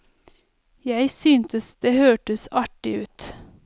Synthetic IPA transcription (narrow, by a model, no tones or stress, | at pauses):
jæɪsyːnt̪əsd̪̥eːhøːʈəsɑʈɪʉːt̪